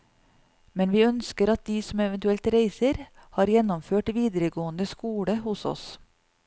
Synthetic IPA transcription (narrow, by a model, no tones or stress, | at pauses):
mɛnʋiːœnskəɾɑt̪̚d̪iːsɔmɛʋɛnt̪ʉɛlt̪ɾeɪsəɾhɑːɾjɛnɔmføːʈʋiːd̪əɾəɡoːənd̪əskuːɽəhʊsɔ̰s